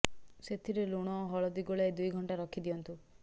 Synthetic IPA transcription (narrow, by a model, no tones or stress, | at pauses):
set̪ʰiɾeluɽ̃ɔɦɔɭɔd̪iɡoɭaed̪ujɡʱɔɳʈaɾɔkʰid̪ijɔnt̪u